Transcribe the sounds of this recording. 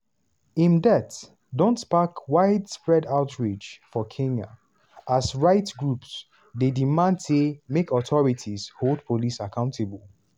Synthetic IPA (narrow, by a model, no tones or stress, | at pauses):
ĩndɛt | dɔ̃ntspakwaɪdspɹɛdaʊtɹed͡ʒfɔkʰẽŋa̰ | asɹaɪtɡɹups | dedimãndsemekʰɔtʰɔɹitʰizholˠdpʰolisakʰãʊ̃ntʰebəlˠ